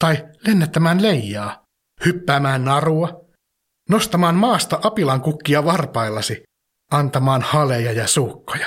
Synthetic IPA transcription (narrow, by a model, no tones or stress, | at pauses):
t̪ɑilenːæt̪ːæmæːnlejjːɑː | hypːæːmæːnnɑruɑ | nost̪ɑmɑːnmɑːst̪ɑʔɑpilɑŋkukːiɑʋɑrpɑilːɑsi | ɑnt̪ɑmɑːnhɑlejɑjɑsuːkːojɑ̥